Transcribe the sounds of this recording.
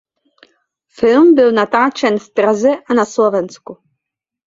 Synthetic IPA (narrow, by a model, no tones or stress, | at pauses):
fɪlmbɪlnat̪aːt͡ʃɛnft̪ɾazɛʔanaslovɛnt͡sku